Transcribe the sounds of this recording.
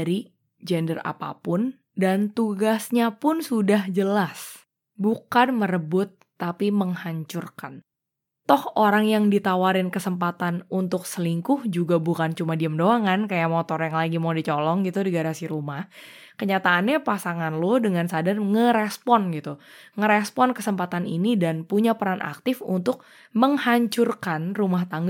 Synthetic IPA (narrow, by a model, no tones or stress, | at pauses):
ɾi | d͡ʒɛndəra̰pa̰pʊn | dant̪uɡasɲapʊnsudahd͡ʒəlas | bukanməɾəbʊt̪ːapiməŋhaɲt͡ʃʊrkan | t̪ɔhoɾaŋjaŋdit̪awaɾɪnkəsəmpat̪anunt̪ʊksəliŋkʊhd͡ʒuɡabukant͡ʃumadiamdoaŋankajamot̪ɔrjaŋlaɡimadit͡ʃɔlɔŋɡit̪udiɡaɾasiɾumah | kəɲat̪aːnɲapasaŋanlodəŋansadarŋəɾespɔnɡit̪uŋəɾɛspɔnkəsəmpat̪anḭnidanpuɲapəɾanʔa̰k̚t̪ɪfṵnt̪ʊk̚ | məŋhaɲt͡ʃurkanrumaht̪aŋɡ